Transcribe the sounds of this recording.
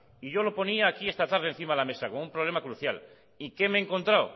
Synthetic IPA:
iʝo̞lo̞po̞niaːkie̞st̪at̪aɾð̞en̟θimaðlame̞sakonumpɾoβle̞makɾuθjal | ike̞me̞ːŋko̞nt̪ɾaw

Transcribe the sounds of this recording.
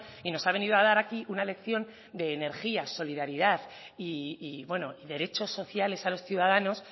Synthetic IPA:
ino̞saβe̞nið̞oað̞aɾakiʔunale̞kθjo̞n | d̪e̞ːne̞ɾxiaso̞liðaɾiðað | iːβwe̞no̞iðe̞ɾe̞t͡ʃo̞sːo̞θjale̞salo̞sθjuðað̞ano̞s

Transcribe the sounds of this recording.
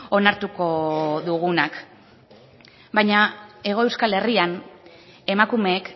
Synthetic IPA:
o̞naɾt̪uko̞ðuɣ̞unak | bajɲae̞ɣ̞o̞e̞wskale̞rian | e̞makume̞ːk

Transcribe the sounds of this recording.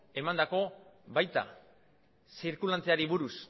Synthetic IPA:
e̞mand̪ako̞βajt̪a̰ | siɾkulant͡seaɾiβuɾus

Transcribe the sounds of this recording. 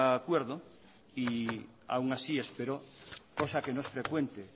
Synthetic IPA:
kweɾðo | i | a̰wŋasiespeɾokosakenoesfɾekwent̪e

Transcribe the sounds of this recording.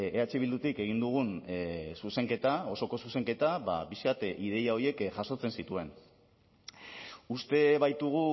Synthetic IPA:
eat͡ʃiβild̪ut̪ike̞ɣ̞ind̪uɣ̞unsuse̞ŋke̞t̪ao̞so̞ko̞suse̞ŋke̞t̪aβa̰biskat̪ið̞e̞jao̞ie̞kʝaso̞t͡se̞nsit̪ue̞n | ust̪e̞βajt̪uɣu

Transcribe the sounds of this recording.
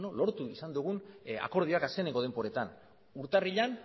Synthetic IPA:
nolo̞ɾt̪uisand̪uɣ̞una̰ko̞ɾð̞iakaske̞neŋkɡo̞ð̞empo̞ɾe̞t̪an | uɾt̪ariʎan

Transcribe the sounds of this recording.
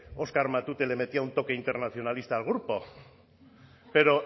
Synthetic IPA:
o̞skaɾmat̪ut̪ele̞me̞t̪iaunt̪o̞ke̞int̪e̞ɾnaθjo̞nalist̪aːlɣ̞uɾpo̞ | pe̞ɾo̞

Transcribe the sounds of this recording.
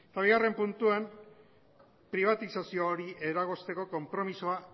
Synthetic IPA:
et̪aβiɣare̞mpunt̪uam | pɾiβ̞at̪isasioːɾiʔe̞ɾaɣo̞st̪e̞ko̞ko̞mpɾo̞miso̞a

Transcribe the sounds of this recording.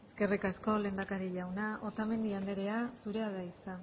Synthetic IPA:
e̞ske̞rikasko̞le̞ːmbakaɾiʎawnaʔo̞t̪ame̞nd̪iand̪e̞ɾe̞asuɾe̞aðait͡sa

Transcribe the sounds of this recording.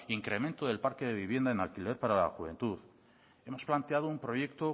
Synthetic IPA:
iŋkɾe̞mẽ̞nt̪oðe̞lpaɾke̞ðe̞βiβ̞je̞nd̪aenalkile̞ɾpaɾala̰xuβe̞̰nt̪uð | e̞mo̞splant̪eað̞oumpɾo̞je̞k̚t̪o̞

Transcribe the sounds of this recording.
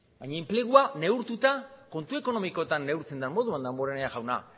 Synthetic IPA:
bajɲaemple̞ɣ̞uane̞uɾt̪ut̪ako̞nt̪ue̞ko̞no̞miko̞t̪anːe̞wɾt͡se̞nd̪amːo̞ðuand̪amboɾeneaʝawna̰

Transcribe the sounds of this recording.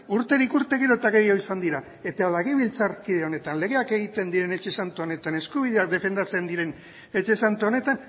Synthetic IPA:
uɾt̪e̞ɾikuɾt̪e̞ɣiɾot̪aɣe̞jo̞isand̪iɾa | e̞t̪alaɣiβilt͡saɾkið̞eo̞ne̞t̪anle̞ɣ̞e̞ake̞ɣ̞it̪e̞nd̪iɾe̞ne̞t͡ʃe̞sant̪oone̞t̪ane̞skuβið̞e̞ak̚d̪e̞fe̞nd̪at͡se̞nd̪iɾe̞n | e̞t͡ʃe̞sant̪uone̞t̪an

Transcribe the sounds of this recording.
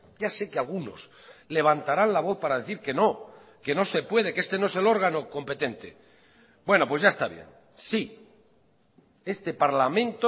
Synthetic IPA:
ɟ͡ʝase̞kealɣ̞uno̞̰s | le̞β̞ant̪aɾanlaβo̞θpaɾaðe̞θiɾke̞no̞ | ke̞no̞se̞pwe̞ð̞ekee̞st̪e̞noe̞se̞lo̞ɾɣano̞ko̞mpe̞t̪e̞nt̪e̞̰ | bwe̞no̞pwe̞zʝaest̪aβjḛn | si | e̞st̪e̞paɾlamẽ̞nt̪o

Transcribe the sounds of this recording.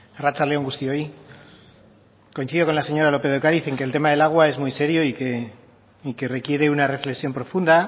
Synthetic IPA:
rat͡saleo̞ŋɡust̪io̞j | ko̞in̟θiðo̞ko̞nlase̞ɲo̞ɾalo̞pe̞ðokaɾiθe̞ŋke̞ːlt̪e̞maðe̞laɣ̞wae̞zmujse̞ɾjo̞ike | ikere̞kje̞ɾe̞unare̞fle̞ksjo̞mpɾo̞fund̪a

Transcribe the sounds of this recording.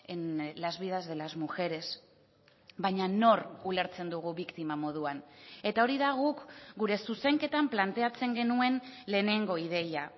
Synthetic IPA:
enlazβiðazðe̞lazmuxe̞ɾe̞s | βajɲano̞rule̞ɾt͡se̞nd̪uɣ̞uβikt̪imamo̞ð̞uane̞t̪ao̞ɾiðaɣ̞ukɡuɾe̞suse̞ŋke̞t̪amplant̪e̞at͡se̞ŋɡe̞nue̞nle̞ːne̞ŋɡo̞iðe̞ja

